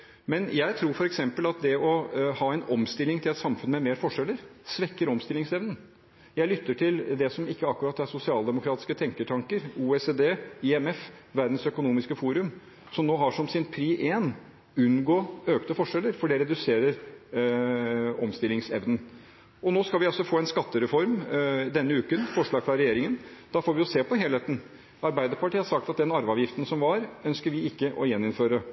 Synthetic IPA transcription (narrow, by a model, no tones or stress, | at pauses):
mɛnjæɪt̪ʰɾuːɾfɔɾɛksɛmpəlɑt̪̚d̪ɛɔhɑːɛnɔmst̪ɪlɪŋt̪ʰɪlɛt̪sɑmfʉnmɛmeːɾfɔʂɛlːəɾsʋɛkːəɾɔmst̪ɪlɪŋsɛʋnən | jæɪlʏt̪ːəʈʰɪld̪ɛsɔmɪkːəɑkːʉɾɑːt̪ːæɾsʊsɪɑːld̪ɛmʊkʰɾɑːt̪ɪ̥skət̪ʰɛŋkəʈʰɑŋkəɾuːeseːd̪eːiɛmɛfʋæɾd̪n̩sœkʊnuːmɪskəfuːɾʉm | sɔmnoːɦɑʂɔmsɪnpʰɾiːʔeːn | ʉnɡoːøːkt̪əfɔʂɛlːəɾfɔɖɛɾɛd̪ʉseːɾəɾ | ɔmst̪ɪlːɪŋsɛʋnən | ɔnoːskɑlʋɪɑlsɔfoːɛnskɑt̪ːəɾɛfɔɾmd̪ɛnːəʉːkənfɔʂɭɑːɡfɾɑɾɛjeːɾɪŋənd̪ɑfoːɾʋɪɔseːpɔɦeːlheːt̪n̩ | ɑɾbæɪd̪əɾpɑʈʰiːhɑɾʂɑk̚t̪ɑt̪̚d̪ɛnɑɾʋɑːʋjɪft̪ənsɔmʋɑɾœnskəɾʋɪɪkːəʔɔjɛnːɪnføːɾə